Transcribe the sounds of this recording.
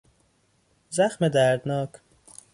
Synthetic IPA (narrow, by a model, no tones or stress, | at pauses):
zæxmed̪æɾd̪nɒːkʰ